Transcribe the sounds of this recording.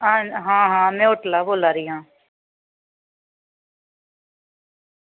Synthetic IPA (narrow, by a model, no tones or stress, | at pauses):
aːɦãːɦãːmɛ̃ːʊʈlaːboːlaːɾɪjãː